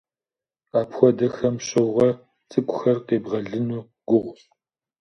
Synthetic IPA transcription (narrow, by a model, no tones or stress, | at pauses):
aːpxʷɔdɐxɐmɕʼɐwʁɐ | t͡sʼɨkʷʼʊxɐrqeːbʁɐɮɨnuː | ɡ̥ʷʊʁʷʊ